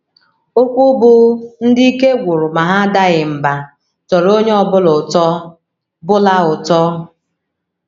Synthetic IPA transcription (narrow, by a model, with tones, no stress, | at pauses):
o˦kʷu˦bʊ˦n̩˦dɪ˦i˦ke˦ɡʷu˨ɾʊ˨ma˨ɦa˦da˦ɣɪ˨m̩˨ba˨ | tɔ˨ɾo˦ɲe˦ɔ˨bʊ˦lʊ˨tɔ˦ | bʊ˦la˦ʊ˨tɔ˦